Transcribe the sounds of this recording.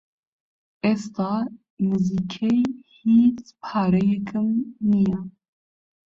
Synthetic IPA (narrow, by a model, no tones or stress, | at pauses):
est̪ɑː | mɨzikʰɛjhiːt͡spʰɑːɾɛjɛkɨmnija